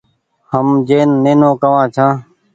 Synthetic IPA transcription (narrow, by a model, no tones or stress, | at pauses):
həmd͡ʒeːnːeːnõːkəʋãːt͡ʃʰãː